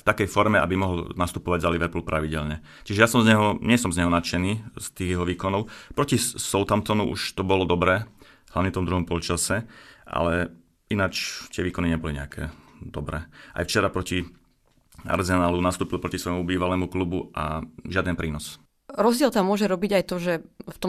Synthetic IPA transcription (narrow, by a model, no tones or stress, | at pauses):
ft̪akɛjfɔɾmɛa̰bimɔɦɔlnast̪upɔʋaɟzaliʋɛɾpul̩pɾʔaʋiɟɛlɲɛ | t͡ʃiʒɛjasɔmzɲɛɦɔɲɪɛsɔmzɲɛɦɔnat͡ʃɛniːst̪iːɣjɛɦɔʋiːkɔnɔʊpɾɔcisɔlt̪amt̪ɔnuʔṵʃt̪ɔbɔlɔd̪ɔbɾɛː | laʋɲɛft̪ɔmd̪ɾuɦɔmpɔlt͡ʃasɛʔa̰lɛ | inat͡ʃt̪ɪɛʋiːkɔniɲɛbɔliɲɛ̰akʰɛ̰ːd̪ɔbɾɛːʔa̰jft͡ʃɛɾapɾɔci | a̰ɾzɛnaːlunast̪uːpilˠpɾɔcisʋɔjmubiːʋalɛːmuklubua̰ʒɪad̪ɛnpɾiːnɔs | ɾɔzɟɪɛlt̪amːʊɔʒɛɾɔbiɟajt̪ɔʒɛft̪ɔ